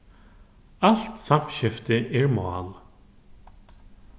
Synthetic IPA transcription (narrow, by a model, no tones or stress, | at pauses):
al̥t̪sam̥ɕɪft̪ɪʔɛɹmɑ̰ːl